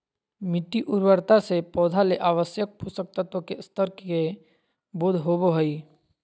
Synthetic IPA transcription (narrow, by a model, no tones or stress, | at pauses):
mɪʈːiʔʊɾwəɾt̪asepɔːd̪ʱaleʔaːʋəsjək̚pusək̚t̪ət̪õkest̪əɾke | bʊd̪ʱɦoboɦoiː